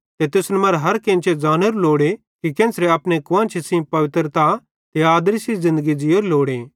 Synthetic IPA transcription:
t̪et̪ɪsnɐmɐɾɦɐɾkẽnt͡ʃed͡zaːnoɾuloːɽe | kikẽːnsɾeɐpnekʊʋãːnt͡ʃʰesĩpɐʋɪt̪ɾt̪a | t̪eaːd̪ɾisizɪ̃nd̪əɡid͡ʒioːɾloːɽeː

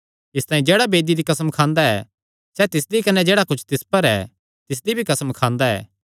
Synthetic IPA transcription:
ɪst̪aːĩd͡ʒeːɽabeːd̪id̪ikɐsəmkʰãːnd̪aɛ̰ | sɛt̪ɪs̬d̪ikɐnːɛd͡ʒeːɽakʊt͡ʃʰt̪ɪspəɾɛ̰ː | t̪ɪs̬d̪ibʱikɐsəmkʰãːnd̪aɛ̰ː

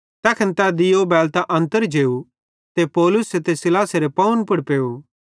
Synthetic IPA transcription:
t̪ɛːkʰɐnt̪ad̪ɪjobɛːlt̪aʔɐ̃nt̪əɾd͡ʒeːu | t̪epɔːlʊset̪esɪlaːseɾepɐʊnpʊɽpeːu

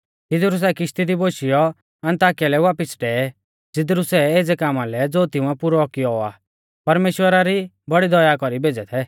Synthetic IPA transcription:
ɪd̪ɾus̬ɛkɪʃt̪id̪iboːʃijɔ | ɐ̃nt̪aːkijalɛʋaːpɪsʈɛːɛ | d͡zɪd̪ɾusɛeːd͡zɛkaːmalɛd͡zoːt̪ɪũɛpʊɾɔɔkɪjɔa̰ː | pɐɾmeːʃwəɾaɾi | bɐɽid̪ɔjakɔɾibeːd͡zɛt̪ʰɛ

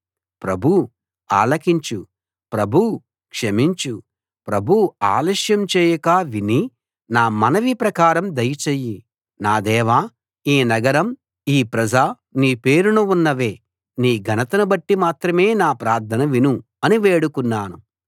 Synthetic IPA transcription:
pɾɐbʱu | a̰ːlɐkiɲt͡ʃu | pɾɐbʱu | kʂɐmiɲt͡ʃu | pɾɐbʱuaːlɐʃjɐmt͡ʃɛːjɐkaːʋini | naːmɐnɐʋipɾɐkaːɾɐmd̪ɐjɐt͡ʃejːi | naːd̪ɛːʋaː | iːnɐɡɐɾɐm | iːpɾɐd͡ʒaː | niːpe̞ːɾunuunːɐʋe̞ː | niːɡʱɐnɐt̪ɐnɐbɐʈːimaːt̪ɾɐme̞ːnaːpɾaːɾt̪ʰɐnɐʋinu | ɐniʋeːɽukunːaːnu

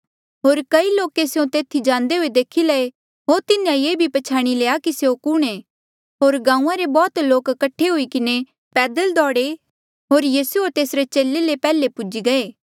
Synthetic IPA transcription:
ɦoːɾkɐiloːkeseõt̪eːt̪ʰid͡ʒãːnd̪eɦoed̪eːkʰilɐe | ɦoːt̪ɪnjãjeːbʱipɐt͡ʃʰaːɽ̃ileːakiseokʊɽ̃e | ɦoːɾɡãːũːãɾebɔːt̪loːkːɐʈʰːeɦuikɪne | pɛːd̪əld̪ɔːɽe | ɦoːɾjiːsuoɾt̪eːsɾet͡ʃeːlːelepɛːlepʊd͡ʒiɡɐeː

